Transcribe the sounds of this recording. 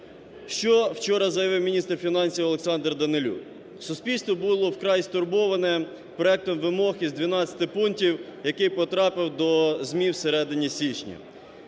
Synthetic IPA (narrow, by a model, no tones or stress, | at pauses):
ʃt͡ʃɔwt͡ʃɔɾɐzɐjɐʋɪwmʲinʲist̪rfʲinɑnʲsʲiwɐlˠeksɑnd̪rd̪ɐnɪlʲṵ | sʊspʲilʲst̪ʋɔbulˠɔwkɾɑjist̪ʊrbɔʋɐnɛ | pɾɔɛk̚t̪ɔmʋɪmɔxʲizʲd̪ʋʲinɑt͡sʲɐ̥t̪ɪpuntʲiwjɐkɪjpɔt̪ɾɑpɪwd̪ɔzʲmʲiwseɾɛd̪ɪnʲisʲit͡ʃnʲḭ